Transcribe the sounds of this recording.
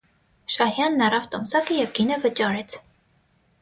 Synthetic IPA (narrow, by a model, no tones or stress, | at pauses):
ʃɑhjɑnːɑɾɑft̪ɔmsɑkəjɛvɡinəvət͡ʃɑɾɛt͡sʰ